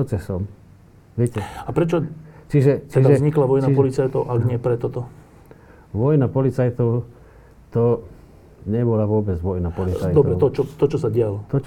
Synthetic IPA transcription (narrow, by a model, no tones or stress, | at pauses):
ɔt͡sɛsɔm | ʋɪɛcɛapɾɛt͡ʃɔt͡ʃiʒɛt͡ʃɛid̪aɛzɲiklaʋɔjnapɔlit͡sajt̪ɔʊʔaɡɲɪɛpɾɛt̪ɔt̪ɔ | ʋɔjnapɔlit͡sajt̪ɔʊ | t̪ɔ | ɲɛbɔlaʋʊɔbɛd͡zʋɔjnapɔlit͡sajtd̪ɔb̪ɔɾɛʊt̪ɔt͡ʃɔt̪ɔt͡ʃɔsaɟɪalɔt̪ɔ